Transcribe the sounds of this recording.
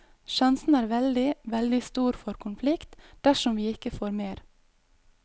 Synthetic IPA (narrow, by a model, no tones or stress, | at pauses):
ʃɑnsn̩æːɾʋɛld̪ɪʋɛld̪ɪst̪uːɾfɔɾkʰʊnflɪkt̪d̪̥æʃɔmʋiːɪkəfoːɾmeːɾ